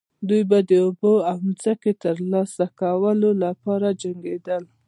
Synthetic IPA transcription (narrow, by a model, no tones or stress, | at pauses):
d̪ujbad̪əoboamzəket̪əɾlɑsakawəlolapɑɾad͡ʒaŋɡed̪əl